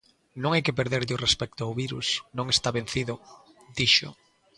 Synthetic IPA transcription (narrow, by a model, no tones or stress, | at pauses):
nõŋejkɪpeɾðeɾʎɪʊrespɛk̚t̪oawβiɾṵsnõŋest̪aβẽn̟θiðʊ | d̪̥iʃʊ̰